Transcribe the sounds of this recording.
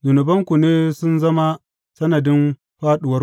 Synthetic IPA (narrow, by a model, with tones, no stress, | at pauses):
zʊ˨nɐ˨bɐ˦ŋkʷu˨neː˦sʊ˦nzɐ˦ma˦ | sɐ˦nɐ˨dɪ˦m | ɸaː˦ɗʊ˨wɐ˦